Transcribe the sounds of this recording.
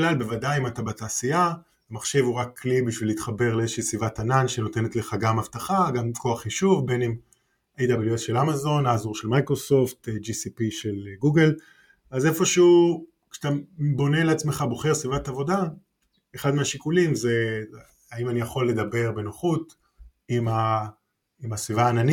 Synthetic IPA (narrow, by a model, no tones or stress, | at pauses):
lalbe̞vadajimatabataːsia | amaχʃe̞vuʁakʰːlibiʃvilit̪χabe̞ʁleezeʃiːsvivatananʃeno̞tenetleχaɡamavtaχaɡamko̞aχiʃuvbe̞nem | ejd̪abeljuesʃe̞lamazo̞naːzuʁʃelmajkʁo̞so̞ft̪d͡ʒisipiʃe̞lɡuɡel | aze̞fo̞ʃeu | kʃt̪abo̞ne̞leat͡smeχabo̞χeʁsvivatavo̞da | eχad̪meaʃikulimze̞ | aimanijaχo̞lːe̞d̪abe̞ʁbe̞noχut | ima | imasvivaːnani